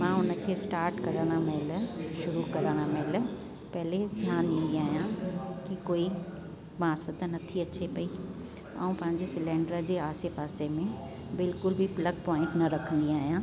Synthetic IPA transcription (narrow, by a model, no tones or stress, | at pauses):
mãːʊnə̆kʰeːsʈaːɾʈkɐɾəɽ̃amɛɦlʃʊɾukɐɾəɽ̃amɛɦl | pɛɦɪled̪ʱjaːnĩːn̆d̪iaːɦijãkikoːi | maːsət̪nɐt̪ʰiɐt͡ɕepɐi | ɐ̰ũpɐ̃ɦɪ̃ɲ̆d͡ʑesɪlẽːɳɖɾəd͡ʑeːaːsɪfaːsemẽ | bɪlkʊlbʱipləɡpɔ̃ːɪ̃ɳʈnɐɾɐkʰə̃nd̪iaːɦijãː